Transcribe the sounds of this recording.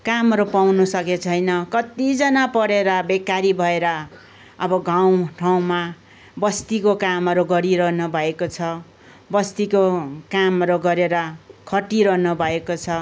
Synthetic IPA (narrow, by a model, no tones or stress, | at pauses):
kamʌɾopawnusʌket͡sʰʌjnʌkʌt̪id͡zʌnapʌɽeɾʌbekaɾibʱʌeɾʌ | ʌbʌɡʱaw̃ʈʰaw̃ma | bʌst̪ikokamʌɾoɡʌɾiɾʌɦnʌbʱʌekot͡sʰʌ | bʌst̪ikokamʌɾoɡʌɾeɾʌkʰʌʈiɾʌɦnʌbʱʌekot͡sʰʌ